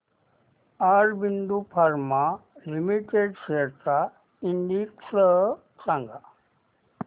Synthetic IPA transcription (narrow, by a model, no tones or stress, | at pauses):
aɾbind̪upʰaɾmalimiʈeɖseɾt̪a | inɖ̪iksəɦ | sãŋɡa